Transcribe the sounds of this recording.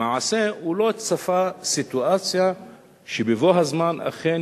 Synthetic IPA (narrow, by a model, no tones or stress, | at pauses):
aʕase̞ulo̞tsafasit̪uat͡sja | ʃebevoɦazmana̰χen